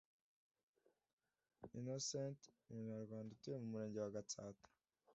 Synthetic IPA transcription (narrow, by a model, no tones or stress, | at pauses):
inosentuuɲaɾɡwaːndatujemumuɾe̞ːɲɟewaɡatatu̥